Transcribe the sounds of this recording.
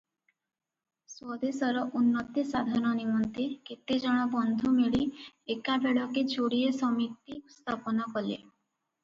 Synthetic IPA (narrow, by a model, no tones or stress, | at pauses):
swɔd̪esɔɾɔʔunːɔt̪isad̪ʱaɾñɔnimɔnt̪eket̪ed͡ʒɔɽ̃ɔbɔnd̪ʱumeɭiekabeɭɔked͡ʒoɽiesɔmit̪ːiust̪ʰapɔnɔkɔlḛ